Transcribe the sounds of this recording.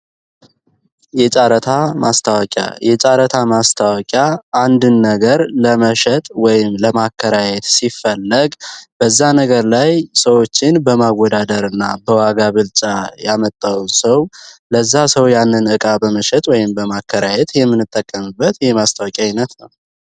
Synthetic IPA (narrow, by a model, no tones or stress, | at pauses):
jɛt͡ʃʼaɾət̪ʰamʔast̪ʰawɔkʲʼja̰jɛt͡ʃʼaɾət̪ʰamast̪ʰawkʼjaːnd̪ɨnːəɡəɾləməʃɛt̪ʼwɔjɪmləmakʰːəɾajɛt̪sifːəlːəɡbəzːanəɡəɾlajsəwo̞t͡ʃːɪnbəmawːɔd̪ad̪əɾɨnːabəwaɡaβɨlt͡ʃʼajamət̪ʼːawnsəwləzːasəwjanːɨnɨkʼabəməʃɛt̪ʼwɔjɪmbəmakʰːəɾajɛt̪jɛmːɨnːɨt̪ʼːəkʼːəmɨbːət̪jɛmast̪ʰawɔkʼjainət̪nəw